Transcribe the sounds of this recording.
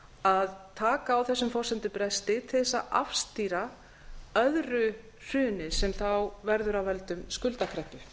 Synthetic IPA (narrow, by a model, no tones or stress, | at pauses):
aðt̪ʰaːkaːwθɛsːʏmfɔr̥sɛnt̪ɪpɾɛst̪ɪt̪ʰɪðɛsːa̰ʔa̰fst̪iːɾa | œðɾʏ | r̥ʏːnɪsɛmθawvɛɾðʏɾawvɛlt̪ʏmskʏlt̪akʰɾɛhpːʏ